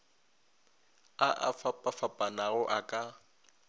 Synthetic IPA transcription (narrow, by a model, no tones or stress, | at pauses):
aʔa̰fapʼafapʼanaɣʊʔakʼa